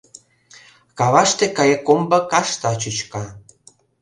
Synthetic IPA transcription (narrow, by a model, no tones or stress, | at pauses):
kɑβɑʃt̪ekɑjekombɤkɑʃt̪ɑt͡ɕyt͡ɕkɑ